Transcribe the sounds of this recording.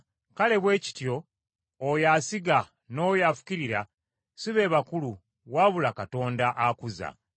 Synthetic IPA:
kale̞βwe̞ːci̥tjo̞ː | jasiɡa | no̞ːjafu̥ciɾiɾa | suβe̞ːβakulu | βwaβulakato̞ːndaʔakuza̰

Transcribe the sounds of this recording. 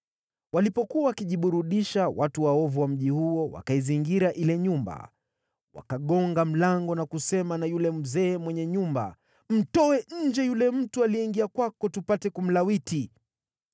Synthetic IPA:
walipɔkuawakiʄiɓuɾuɗiʃawʔatuwaɔvuwam̩ʄihuɔwa̰kaiziŋɡiɾaʔilɛɲumba̰ | wa̰kaɠɔŋɡam̩laŋɡɔnakusɛmanajulɛm̩zɛːmwɛɲɛɲumba̰ | m̩tɔɛɲ̩d͡ʒɛjulɛm̩tualiɛiŋɡiakwakɔtupatɛkum̩lawiti

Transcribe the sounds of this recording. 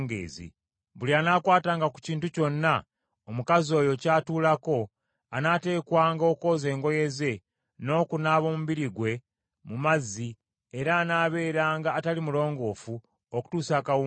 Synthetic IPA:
ŋɡḛːzḭ | βulianaːkwaːtaːŋɡaku̥ciːntuco̞nːa | omukazio̞jo̞caːtuːlako̞ | anaːte̞ːkwaːŋɡo̞ːko̞ːze̞ːŋɡo̞je̞ze̞ | no̞ːkunaːβo̞ːmuβiɾiɡwe̞ | mumazi | eɾaːnaːβe̞ːɾaːŋɡaːtalimulo̞ːŋɡo̞ːfu | oku̥tuːsaːkau

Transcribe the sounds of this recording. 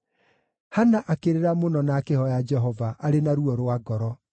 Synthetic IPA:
hanaʔakeɾeɾamonɔnakehɔjad͡ʒɛɦɔvaʔaɾenaɾuɔɾwaɡɔɾɔ

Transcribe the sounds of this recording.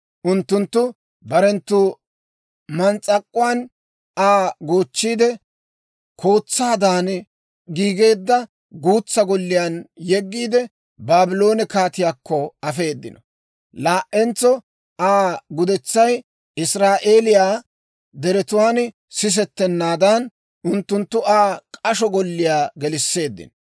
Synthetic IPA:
ʔʊnt̪ːʊnt̪ːʊ | bɐɾɛnt̪ːuː | mɐnt͡sʼːɐkʼːʊwaːn | aːɡoːt͡ʃːiːd̪ɛ | kʰo̞ːt͡sːaːd̪aːn | ɡiːɡe̞ːd̪ːɐ | ɡuːt͡sːɐɡɔlːɪjaːnjɛɡːiːd̪ɛ | baːbɪlo̞ːnɛkaːt̪ɪjaːkːɔɐfe̞ːd̪ːɪnɔ | laːʔːɛnt͡sːɔ | aːɡʊd̪ɛt͡sːɐj | ɪsɾaːʔe̞ːlɪjaː | d̪ɛɾɛt̪ʊwaːn | sɪs̬ɛt̪ːɛnːaːd̪ɐn | ʔʊnt̪ːʊnt̪ːʊaːkʼɐʃɔɡɔlːɪjaːɡɛlɪsːe̞ːd̪ːɪ̰nɔ

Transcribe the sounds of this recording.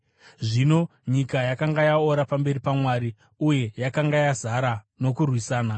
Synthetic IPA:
ʐino̞ɲikajakaŋɡajaoɾapambe̞ɾipamwaːɾi | uje̞jakaŋɡajazaɾa | no̞kurwisaːna

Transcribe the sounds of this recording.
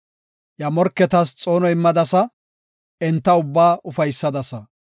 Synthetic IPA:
jɐmɔɾkːɛt̪ɐst͡sʼo̞ːnɔjɪmːɐd̪ɐsɐ | ɛnt̪ːɐʊbːaːʔʊfɐjsːɐd̪ɐsɐ

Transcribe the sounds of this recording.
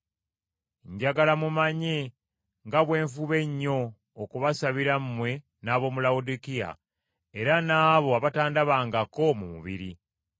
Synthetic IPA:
ɲɟaɡalamumaɲe | ŋɡaβwe̞ːɱfuβe̞ɲːo̞ː | kuβasaβiɾammwe̞ | naːβo̞mulaudikija̰ | e̞ɾanaːβo̞aβataːndaβaːŋɡako̞mumṵβḭɾi

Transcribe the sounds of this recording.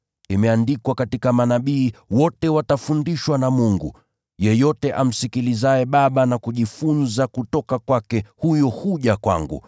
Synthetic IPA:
imɛandikwakatikamanaɓiːwɔtɛwatafundiʃwanamuŋɡṵ | jɛjɔtɛʔam̩sikilizaɛɓaɓanakuʄifunzakutɔkakwakɛhujɔhuʄakwa̰ŋɡṵ

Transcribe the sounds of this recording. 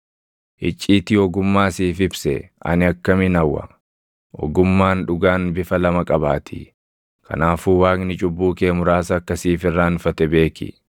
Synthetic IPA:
ʔɪt͡ʃʼːiːt̪ɪɔɡʊmːaːsiːfɪbsɛ̰ɐ̰nɪɐkːɐmɪnɐwːɐ̰ | ʔɔ̰ɡʊmːaːnᶑʊɡaːnbɪfɐlɐmɐkʼɐbaːt̪ʰɪ̰ | kʰɐ̰naːfuːwaːknɪt͡ʃʼʊbːuːke̞ːmʊɾaːsɐːkːɐsiːfɪrːaːnfɐt̪ɛbe̞ːkɪ̰

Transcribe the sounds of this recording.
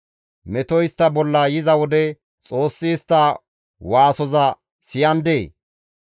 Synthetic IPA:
mɛt̪ɔjɪst̪ːɐbɔlːɐjɪzɐwɔd̪ɛ | t͡sʼo̞ːsːiːst̪ːɐ | waːsɔzɐ | sɪjɐnd̪eː

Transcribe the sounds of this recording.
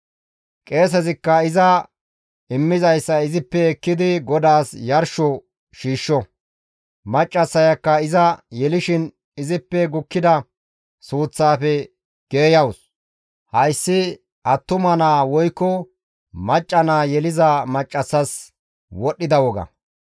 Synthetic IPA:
kʼe̞ːs̬ɛzɪkːɐɪzɐ | ɪmːɪzɐjsːɐɪzɪpːɛːkːɪd̪ɪɡɔd̪aːsjɐɾʃɔ | ʃiːʃːɔ | mɐt͡ʃʼːɐsːɐjɐkːɐɪzɐjɛlɪʃɪn | ɪzɪpːɛɡʊkːɪd̪ɐ | suːt͡sːaːfɛ | ɡ̥e̞ːjɐws | hɐjsːɪ | ʔɐt̪ːʊmɐnaːwɔjkːɔ | mɐt͡ʃʼːɐnaːjɛlɪzɐmɐt͡ʃʼːɐsːɐs | wɔɗːɪd̪ɐwɔɡɐ̰

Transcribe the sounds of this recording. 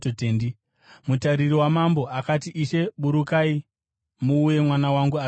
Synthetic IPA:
totendi | mutaɾiriwamambo̞ʔakatiʔiʃe̞ɓuɾukai | muːje̞mwanawaŋɡua

